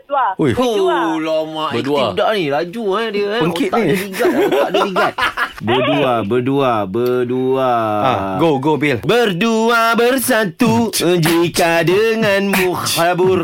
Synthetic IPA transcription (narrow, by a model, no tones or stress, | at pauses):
aujulomãʔbədudaʔnilad͡ʒuadiəapəŋkɪʔniəliɡaaʔdəliɡat̪̚ | bəduabərduabərduaaɡoɡobɪlbərduabərsat̪ud͡ʒikadəŋãnmuhabur